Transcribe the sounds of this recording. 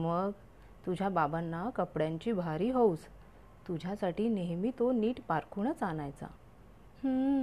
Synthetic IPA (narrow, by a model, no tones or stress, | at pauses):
məɡ | t̪ud͡ʑʱjababanːakəpɽjaɲt͡ɕiːbʱaɾiːɦows | t̪ud͡ʑʱjasaʈiːneɦmiːt̪oniːʈpaɾkʰuɳət͡sanajt͡sa̰ | hə̃